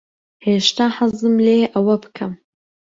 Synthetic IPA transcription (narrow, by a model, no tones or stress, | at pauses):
heːʃt̪aːħazɨmleːʔɐwɐbɨ̥kʰɐm